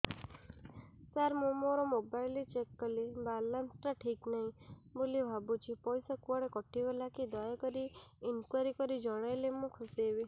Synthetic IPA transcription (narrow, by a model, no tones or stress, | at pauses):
saɾmũmoɾɔmobajlit͡ʃekːɔlebalansʈɾaʈʰiknaɦĩbolibʱabut͡ʃʰipɔjsakuɔɽekɔʈibɔlakid̪ɔjɔkɔɾiinkwaɾikɔɾid͡ʒɔɽ̃ɔjlemũkʰusiebi